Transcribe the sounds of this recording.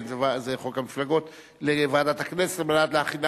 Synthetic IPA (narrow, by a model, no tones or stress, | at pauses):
nzevazeχokamiflaɡo̞t̪ | levaːd̪at̪aknese̥tmalat̪leaχida